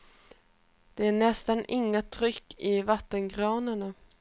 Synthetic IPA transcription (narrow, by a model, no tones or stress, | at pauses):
d̪̥ɛæɳɛst̪anɪŋːat̪ʰɾʏkːɪvat̪ːənɡɾɑːnaɳa